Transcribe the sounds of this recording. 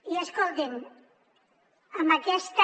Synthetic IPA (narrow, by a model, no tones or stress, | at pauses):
ieskolt̪en | amakɛst̪